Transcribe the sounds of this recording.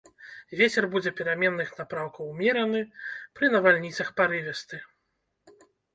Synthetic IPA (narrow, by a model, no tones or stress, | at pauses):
vʲet͡sʲɛrbud͡zʲɛpʲɛɾamʲɛnːɨxnapɾawkɐwmʲɛɾɐnɨpɾɨnɐvalʲnʲit̪sɐxpaɾɨvʲɛst̪ɨ